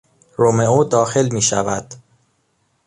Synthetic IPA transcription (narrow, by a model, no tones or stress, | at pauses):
ɾome̞oːd̪ɒːxe̞lmiːʃævæ̰d̪̥